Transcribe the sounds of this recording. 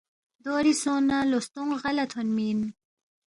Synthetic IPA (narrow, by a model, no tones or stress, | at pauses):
d̪oɾisonalost̪uŋʁalat̪ʰonmin